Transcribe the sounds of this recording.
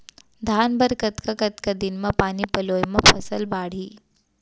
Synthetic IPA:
d̪ʱaːnbəɾkət̪kakɐt̪kad̪ɪnmãpaːnipɐloːjmãpʰɐsəlbaːɽ̤iː

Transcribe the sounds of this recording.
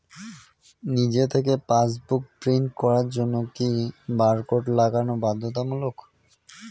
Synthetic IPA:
nid͡ʑet̪ʰekepas̬buk̚pɾiɳʈkɔɾaɾd͡ʑonːokibaɾkoʈlaɡanobad̪ʱːot̪amulok

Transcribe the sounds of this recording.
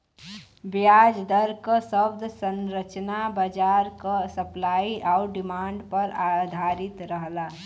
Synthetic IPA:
bjaːd͡ʒd̪əɾkəsəbd̪ʱsə̃nɾət͡ʃnabəd͡ʒaːɾkasəplaːiʔaːʊɾɖɪmãːɳɖpəɾad̪ʱaːɾɪt̪ɾəɦlaː

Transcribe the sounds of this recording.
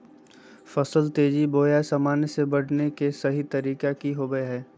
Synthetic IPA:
fɐsəlt̪eːd͡ʒiboːjasɐmaːnsebɐɽ̤nekesɐɦit̪ɐɾiːkakiɦoːɡəeɦɛː

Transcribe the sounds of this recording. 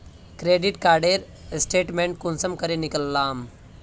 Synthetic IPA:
kɾeːɖiʈkaːɾɖeːɾ | sʈeːʈmẽːɳʈ̚kunsəmkɐɾenikəlːaːm

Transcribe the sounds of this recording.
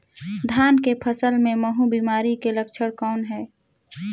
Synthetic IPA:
d̪ʱjaːnkepʰəsəlmẽməɦũbiːmaːɾikeləkt͡ʃʰəɽkɔːnɦɛː

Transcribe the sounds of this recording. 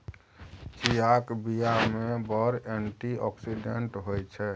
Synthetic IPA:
t͡ʃijakbijamebɔɾeɳʈiɔksiɖeɳʈɦojt͡ʃʰɛ

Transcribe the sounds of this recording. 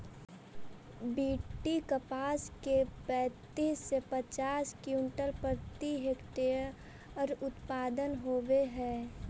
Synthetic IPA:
biːʈːikəpaːskepɛ̃ːt̪iːsːepət͡ʃaːskjũːnʈəlpəɾt̪iɦekʈeɾ | ɔɾʊt̪paːd̪ənɦoːʋeɦɛː

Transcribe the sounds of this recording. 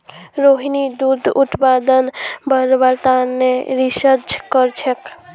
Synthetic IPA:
ɾoɦinid̪ud̪ʱut̪pad̪ənbəɾbəɾt̪anːeɾisəd͡ʒkəɾt͡ʃʰek

